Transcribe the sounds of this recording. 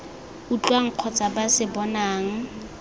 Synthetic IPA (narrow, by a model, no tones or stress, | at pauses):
ut͡ɬwaŋ̩q͡χʰɔt͡sʼabasɪbɔnaːŋ̩